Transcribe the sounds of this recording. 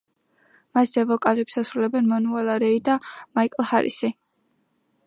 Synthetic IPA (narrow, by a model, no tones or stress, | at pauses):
masd̪ɛvɔkʼalɛpsasɾulɛbɛnmɔnualˠaɾɛid̪amaikʼlˠhaɾḭsi